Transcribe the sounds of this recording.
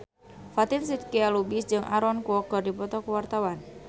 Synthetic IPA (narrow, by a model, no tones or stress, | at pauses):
fat̪ɪnsit̪̚kialubisd͡ʒɨŋʔa̰ɾɔnkuɔɡ̥ɔrdipɔt̪ɔkuwart̪awan